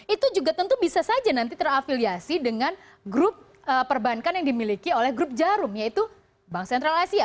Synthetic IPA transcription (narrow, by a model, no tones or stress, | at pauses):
it̪ud͡ʒuɡat̪ənt̪ubisasad͡ʒanant̪it̪ərafiliasidəŋan | ɡɾʊp̚ | əːpːərbankanjaŋdimilikiolɛhɡɾʊp̚d͡ʒaɾʊmjait̪u | baŋsɛnt̪ɾalasia